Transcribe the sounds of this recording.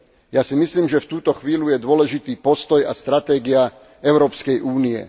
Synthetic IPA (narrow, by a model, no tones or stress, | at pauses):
jaːsimisliːmʒɛft̪uːt̪ɔxʋiːlujɛd̪ʊɔlɛʒit̪iːpɔst̪ɔja̰st̪ɾat̪ɛːɡia | ɛʊɾɔːpskɛjʔuːniɛ̰